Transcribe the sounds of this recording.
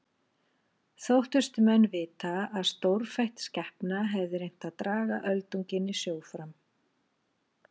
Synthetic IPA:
θowht̪ʏst̪ʏmɛnːvɪːt̪aaðst̪owɾ̥fajht̪scɛhpnaɦɛvðʏɾejn̥t̪aðt̪ɾaːɣa̰ʔœlt̪uŋcɪnːɪsjoːwfɾam

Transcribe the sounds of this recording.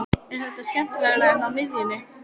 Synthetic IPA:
ɛnhɛt̪ascɛm̥t̪ɪlɛːɣlaðnaðmɪðjɪnːɪ

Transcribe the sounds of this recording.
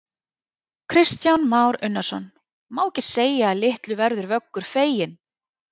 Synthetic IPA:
kʰɾɪst̪jawnmaːwɾʏnːasɔ̰n | maːwcɪ̥seːjaːlɪht̪lʏvɛɾðʏɾvœkːʏɾ̥feːjɪn

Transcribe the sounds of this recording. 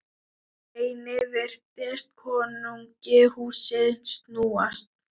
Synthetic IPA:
eːjnɪvɛr̥t̪ɪst̪̚kʰɔːnʏŋcɪhuːsɪðnst̪nuːast̪̚

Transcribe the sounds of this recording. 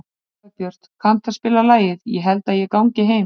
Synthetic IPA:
pjœr̥t̪kʰan̥t̪aspɪːlalaːjɪðjɛɦɛlt̪aðjɛkawŋɲcɪɦeːj

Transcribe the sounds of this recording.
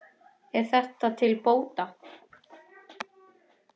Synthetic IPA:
ɛɾ̥θɛht̪at̪ʰɪlpoːwt̪a

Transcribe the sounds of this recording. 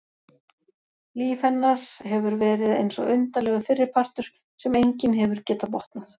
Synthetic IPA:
liːfhɛnːaɾ̥ɦɛvʏɾvɛːɾɪðḛjnsɔ̰ɣʏnt̪alɛɣafɪrːɪɾ̥pʰar̥t̪ʏɾ̥ | sɛmejɲcɪnɦɛvʏɾ̥cɛːt̪apɔht̪naθ

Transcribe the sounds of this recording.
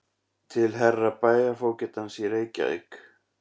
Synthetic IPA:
t̪ʰɪlɦɛrːapaːjɣafoːwcɛt̪ansjiɾeːjca̰ɪ̰k

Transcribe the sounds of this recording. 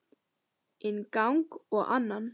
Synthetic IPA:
ɪnkawŋkɔɣʔa̰nːan

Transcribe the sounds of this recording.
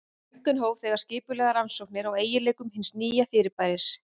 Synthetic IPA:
ŋ̥kʏnɦoːwɣθɛːɣaɾ̥scɪːpʏɾlɛːɣaɾansowk̚nɪɾaweːjɪleːjkʏmhɪnsniːjafɪːɾɪɾpaːjɾɪs

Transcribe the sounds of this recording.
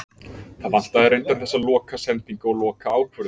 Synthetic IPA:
θaðvan̥t̪aðɛɾejnt̪aɾ̥θɛsːalɔːkasɛnt̪iŋkaɔɣlɔːkaaːwkʰvʏɾð

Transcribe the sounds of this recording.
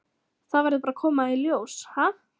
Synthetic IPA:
θaðvaɾðpaɾakʰɔːmailjowsha

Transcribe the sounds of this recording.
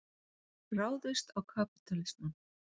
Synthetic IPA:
raːwðʏst̪awkʰapit̪alɪst̪ʏm

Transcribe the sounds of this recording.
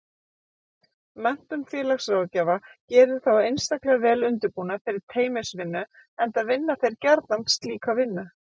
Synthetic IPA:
mɛn̥t̪ʏmfjɛːlaxsawacɛːvacɛːɾðʏθawejnst̪aklɛɣavɛːlʏnt̪ɪɾpuːnafɪɾɪɾ̥t̪ʰeːjmɛsvɪnːʏ | ɛnt̪aðvɪnːaθejɾ̥caɾt̪nant̪st̪liːkawvɪnːʏ

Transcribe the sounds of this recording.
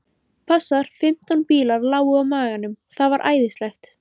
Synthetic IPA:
pʰasːaɾ̥fɪm̥t̪anpiːlaɾlaːwʏawmaːɣanːʏmθaðvaɾʔa̰ːjðɪst̪lɛxt̪

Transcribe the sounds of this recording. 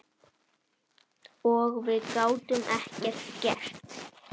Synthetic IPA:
ɔɣvɪðkaːwt̪ʏmʔɛhcɛɾscɛr̥t̪

